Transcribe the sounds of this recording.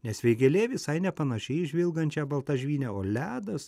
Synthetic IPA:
nʲɛsʋʲɛɪɡʲɛlʲeːʋʲɪsɐɪnʲɛpɐnɐʃʲɛɪɪʒʲʋʲɪlˠɡɐnʲt͡ʃʲæːbɐlˠt̪ɐʒʲʋʲiːnʲɛoːlʲæːd̪ɐs

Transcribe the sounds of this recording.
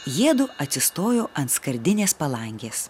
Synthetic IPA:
jiɛd̪ʊɐt̪ʲsʲɪst̪oːjoːʔɐnt̪skɐɾʲd̪ʲɪnʲeːspɐlˠɐŋʲɡʲeːs

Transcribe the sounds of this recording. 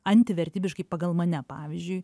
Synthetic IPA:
ɐnʲt̪ʲɪʋʲɛɾʲt̪ʲiːbʲɪʃkɐɪpɐɡɐlˠmɐnʲɛpɑːʋʲizʲd͡ʒʲʊɪ

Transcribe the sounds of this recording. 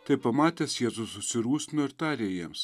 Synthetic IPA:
t̪ɐɪpɐmɑːt̪ʲeːsjeːzʊsʊsʲɪɾuːsʲt̪ʲɪnoːɪɾt̪ɑːɾʲejiɛms

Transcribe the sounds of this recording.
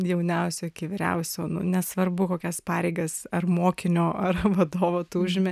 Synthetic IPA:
jɛʊnʲɛʊsʲoːɪkʲɪʋʲɪɾʲɛ̰ʊsʲoːnʊ̰nʲɛsʋɐrbʊkoːkʲɛspɑːɾʲɛɪɡɐsɐrmoːkʲɪnʲoːɐrʋɐd̪oːʋoːt̪uːʊʒʲɪmʲɛ

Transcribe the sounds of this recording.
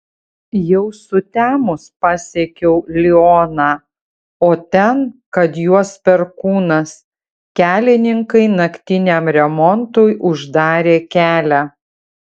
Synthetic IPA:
jɛʊsʊt̪ʲæːmʊspɑːsʲekʲɛʊlʲɪɔnɑː | oːt̪ʲɛnkɐt̪juɔspʲɛɾkuːnɐs | kʲæːlʲɪnʲɪŋkɐɪnɐkʲt̪ʲɪnʲemɾʲɛmɔnt̪ojʔʊʒd̪ɑːɾʲeːkʲæːlʲæː

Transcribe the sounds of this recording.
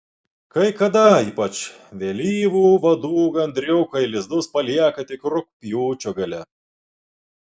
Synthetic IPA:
kɐɪkɐd̪ɐiːpɐt͡ʃ | ʋʲelʲiːʋuːʋɐd̪uːɡɐnʲd̪ʲɾʲɛʊkɐɪlʲɪzd̪ʊspɐlʲiɛkɐt̪ʲɪkɾʊk̚pʲjuːt͡ʃʲoɡɐlʲɛ

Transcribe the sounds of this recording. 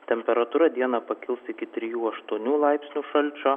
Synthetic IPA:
t̪ʲɛmʲpʲɛɾɐt̪uːɾɐd̪ʲiɛnɐpɐkʲɪlˠsɪkʲɪt̪ʲɾʲɪjuːɐʃt̪uɔnʲuːlˠɐˑɪpʲsʲnʲuːʃɐlʲt͡ʃʲoː

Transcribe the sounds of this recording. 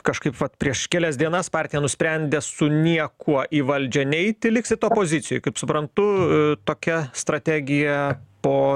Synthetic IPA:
kɐʃkɐɪpʋɐt̪pʲɾʲiɛʃkʲɛːlʲɛs̬ʲd̪ʲiɛnɐspɑːrʲt̪ʲɪjɛnʊsʲpʲɾʲɛnʲd̪ʲeːsʊnʲiɛkʰuɔʔiːʋɐlʲd͡ʒʲɛnʲɛɪt̪ʲɪlʲɪksʲɪt̪oːpoːzʲɪsʲɪjʊɪkɐɪpsʊpɾɐnt̪ʊt̪oːkʲɛst̪ɾɐt̪ʲæːɡʲɪjɛpoː

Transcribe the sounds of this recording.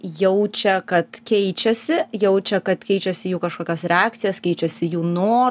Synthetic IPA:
jɛʊt͡ʃʲɛkɐt̪kʲɛɪt͡ʃʲɛsʲɪjɛʊt͡ʃʲɛkɐt̪kʲɛɪt͡ʃʲɛsʲɪjuːkɐʃkoːkʲosɾʲɛaːkt̪sʲɪjɛskʲɛɪt͡ʃʲɛsʲɪjuːnoː

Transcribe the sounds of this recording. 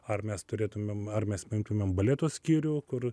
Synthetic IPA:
ɐrmʲɛst̪ʊɾʲeːt̪ʊmʲeːmɐrmʲɛsmʲɪŋkt̪ʊmʲeːmbɐlʲet̪oːsʲkʲiːɾʲʊkʊr

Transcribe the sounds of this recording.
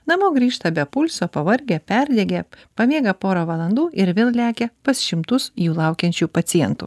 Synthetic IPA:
nɐmoːɡɾʲiːʃt̪ɐbʲɛpʊlʲsoːpɐʋɐɾʲɡʲɛːpʲɛɾʲd̪ʲɛːɡʲepɐmʲeːɡɐpoːɾoːʋɐlˠɐnd̪uːɪɾʋʲeːlˠlʲæːkʲepɐsʃʲɪmt̪ʊsjuːlˠɑʊkʲɛnʲt͡ʃʲuːpɐt̪sʲɪjɛnt̪ṵː

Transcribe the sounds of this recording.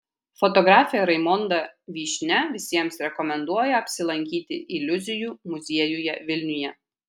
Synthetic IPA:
fɔt̪ɔɡɾɑːfʲɪjɛɾɐɪmɔnd̪ɐʋʲiːʃʲnʲɛʋʲɪsʲiɛmsɾʲɛkɔmʲɛnd̪uɔjɛɐpʲsʲɪlˠɐŋʲkʲiːt̪ʲɪʔɪlʲʊzʲɪjuːmʊzʲiɛjʊjɛʋʲɪlʲnʲʊjɛ

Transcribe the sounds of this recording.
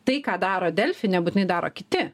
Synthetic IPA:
t̪ɐɪkɑːd̪ɑːɾoːd̪ʲɛlʲfʲɪnʲɛbuːt̪ʲɪnɐɪd̪ɑːɾo̰ːkʲɪt̪ʲɪ

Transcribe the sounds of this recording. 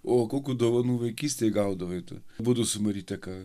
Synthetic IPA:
oːkoːkʲuːd̪oːʋɐnuːʋɐɪkʲiːsʲt̪ʲeɡɐʊd̪ɐʋɐɪt̪ṵbuːd̪ɐsʊmɐɾʲiːt̪ʲɛkɑ

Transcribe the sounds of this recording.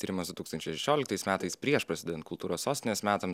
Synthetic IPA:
iːɾʲɪmɐsd̪ʊt̪uːkst̪ɐnʲt͡ʃʲɛɪʃʲɛʃʲoːlʲɪkt̪ɐɪsmʲæːt̪ɐɪspʲɾʲiɛʃpɾɐsʲɪd̪ʲɛd̪ʲɛnt̪kʊlˠt̪uːɾoːssoːsʲt̪ʲɪnʲeːsmʲæːt̪ɐm

